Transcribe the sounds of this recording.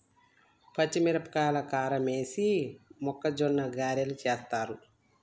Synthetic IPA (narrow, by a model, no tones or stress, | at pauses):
pɐt͡ʃːimiɾɐpkaːlɐkaːɾɐmeːsimɔkːɐd͡ʒɔnːɐɡaːɾjɐlut͡ʃeːst̪aːɾu